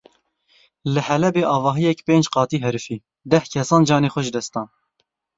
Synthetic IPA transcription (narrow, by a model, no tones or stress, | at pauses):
lɨhɛlɛbeːʔɑːvɑːɦijɛkpeːnd͡ʒqɑːt̪iːɦɛɾɨfiː | d̪ɛhkʰɛsɑːnd͡ʒɑːneːxʷɛʒd̪ɛst̪ɑːn